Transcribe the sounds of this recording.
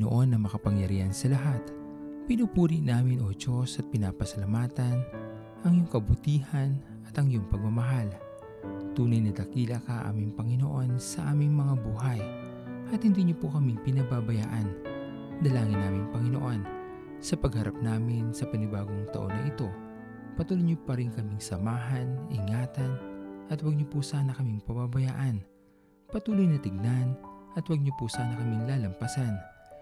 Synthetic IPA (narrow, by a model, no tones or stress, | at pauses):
o̰ʔo̞nːɐŋmɐkɐpɐŋjɐɾiːhɐnsɐlɐɦat̪ | pɪnupuːɾiʔnaːmɪnʔo̞d͡ʒo̞sɐt̪̚pɪnapɐsɐlɐmaːt̪ɐn | ʔɐŋjʊŋkɐbʊt̪iːhɐn | ʔɐt̪ɐŋjʊŋpɐɡ̚mɐmɐɦal | t̪uːnɐjnɐd̪ɐkiːlɐkɐʔʔa̰ːmɪŋpɐŋɪno̞ʔo̞nsɐʔaːmɪŋmɐŋabuːɦɐj | ʔɐt̪hɪnd̪iɲopokɐmipɪnɐbabɐja̰ːʔɐn | d̪ɐlaːŋɪnːaːmɪŋpɐŋɪno̞ʔo̞n | sɐpɐɡhɐɾa̰p̚naːmɪnsɐpɐnɪbaːɡo̞ŋt̪ɐ̰ʔo̞nːɐʔɪt̪o̞ | pɐt̪uːlojɲopɐɾɪŋkɐmɪŋsɐmaːɦɐnɪŋaːt̪ɐnʔɐt̪wɐɡ̚ɲopʊsaːnɐkɐmɪŋpɐbabɐja̰ːʔɐn | pɐt̪uːlojnɐt̪ɪɡ̚nanʔɐt̪wɐɡ̚ɲopʊsaːnɐkɐmiŋlaːlɐmpɐsan